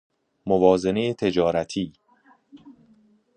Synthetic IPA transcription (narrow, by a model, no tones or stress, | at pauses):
movɒːze̞ne̞jet̪ʰe̞d͡ʒɒːɾæt̪ʰiː